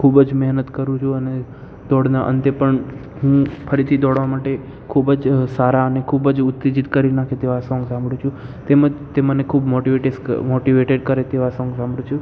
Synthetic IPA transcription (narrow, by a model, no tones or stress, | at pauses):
kʰubd͡ʒmɛɦnət̪kəɾũt͡ʃʰũəne | d̪ɔɽnaʔə̰nt̪epəɳ | ɦũpʰəɾit̪ʰid̪ɔɽʋamaʈe | kʰubəd͡ʒsaɾaənekʰubəd͡ʒʊt̪ːid͡ʒit̪kəɾinakʰet̪eʋasɔ̃ŋɡsãmbɽũt͡ʃʰũt̪eməd͡ʒt̪emənekʰubmoʈiʋeʈesmoʈiʋeʈeɖkəɾet̪eʋasɔ̃ŋɡsãmbɽũt͡ʃʰũ